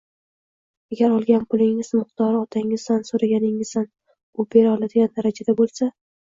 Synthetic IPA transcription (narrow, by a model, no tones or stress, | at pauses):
aɡʲaɾɒlˠɡʲanpʰʊlˠɪŋɪzmɪqt̪ʰɒɾɒt̪ʰaŋɪz̥d̪ansoɾaɡʲanɪŋɪzan | ʊbe̞ɾɒlˠad̪ɪɡʲand̪aɾad͡ʒad̪abolˠsa